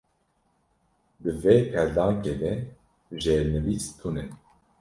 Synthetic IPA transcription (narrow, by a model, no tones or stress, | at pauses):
d̪ɨvepʰɛɾd̪ɑːŋked̪ɛ | ʒeɾnɨvist̪ʰunɛ